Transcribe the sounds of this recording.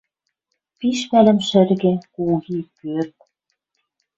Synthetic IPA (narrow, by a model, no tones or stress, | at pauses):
piʃpælɘ̆mʃɘ̆rɣĕkuɣikørt̪̚